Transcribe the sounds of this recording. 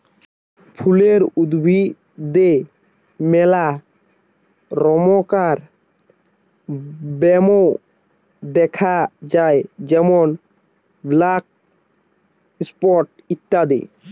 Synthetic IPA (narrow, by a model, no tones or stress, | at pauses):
pʰuleɾud̪bʱi | d̪e | mɛla | ɾɔmokaɾ | bɛmo | d̪ɛkʰad͡ʑaed͡ʑɛmon | blak̚ | spɔɾʈ | it̪ːad̪ḛ